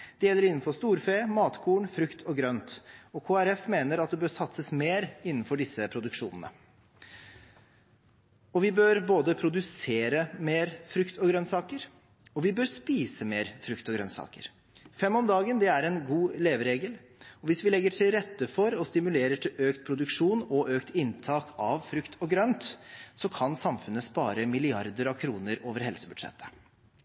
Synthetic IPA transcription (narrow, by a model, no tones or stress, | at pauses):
d̪̥ɛjɛlːəɾɪnːn̩fɔst̪uːɾfeːmɑːt̪kʰuːɳfɾʉkt̪ʰɔɡɾœnt̪ɔkʰoːæɾɛfmeːnəɾɑt̪̚d̪ɛbøːɾsɑt̪səsmeːɾɪnːən̩fɔɖɪsːəpʰɾʊd̪ʉkʂṵːnənə̰ | ɔʋɪbøːɾboːd̪əpʰɾʊd̪ʉseːɾəmeːɾfɾʉkt̪ʰɔɡɾœnsɑːkəɾ | ɔʋɪbøːɾspiːsəmeːɾfɾʉkt̪ɔɡɾœnsɑ̰ːkə̰ɾ | fɛmːɔmd̪ɑːɡənd̪ɛæɾɛnɡuːleːʋəɾeːɡəlɔʋɪsʋɪlɛɡːəʂɛɪɾɛt̪ːəfɔɾɔst̪ɪmʉleːɾəʈʰɪløːkt̪̚pʰɾʊd̪ʉkʂuːnɔʔøːkt̪ʰɪnt̪ʰɑːkʰɑʋfɾʉkt̪ʰɔɡɾœnt̪sɔkʰɑnsɑmfʉnːəspɑːɾəmɪlɪɑɾd̪əɾɑʋkʰɾuːnəɾoːʋəɾhɛlsəbʉd̪ʂɛ̰t̪ʰːə̥